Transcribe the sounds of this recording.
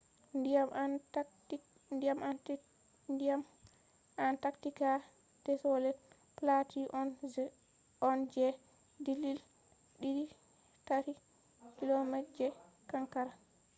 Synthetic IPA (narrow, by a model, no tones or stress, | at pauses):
ndiam | ndiamant | ndiam | ʔantaktika | d̥ɛsɔlɛ | platiʔɔn | ɔnd͡ʒɛ | dilil | ɗii | taɾi | kilomɛtd͡ʒɛ | kaŋkaɾa